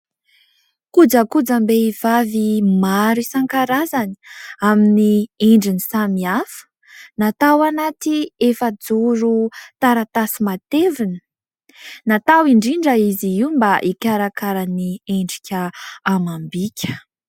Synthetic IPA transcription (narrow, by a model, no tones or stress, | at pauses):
kud͡zəkud͡zəmbeivavimaɾisaŋkaɾazani̥aminieɳɖ͡ʐinisamiafə̥ | nat̪awanat̪iefəd͡zuɾut̪aɾat̪asimat̪evinə̥ | nat̪awiɳɖ͡ʐiɳɖ͡ʐəiziiumbaʔikʲaɾakaɾanieɳɖ͡ʐikʲəamambikʲə̥